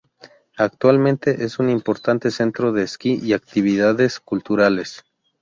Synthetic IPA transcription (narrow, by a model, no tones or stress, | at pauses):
ak̚t̪walmẽ̞nt̪e̞ʔe̞sunimpo̞ɾt̪ant̪e̞se̞nt̪ɾo̞ðe̞ːskiʔiakt̪iβiðaðe̞skult̪uɾale̞s